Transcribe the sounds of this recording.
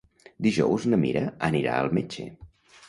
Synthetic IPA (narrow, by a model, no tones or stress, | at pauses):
d̪iʒɔwznəmiɾəəniɾa̰əlˠmet͡ʃḛ